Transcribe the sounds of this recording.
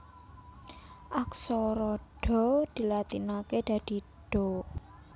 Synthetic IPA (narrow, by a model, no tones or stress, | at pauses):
ʔaksɔɾɔɖ̥ɔ̤d̪̥i̤lat̪inaked̪̥ä̤d̪̥i̤ | ɖ̥ɔ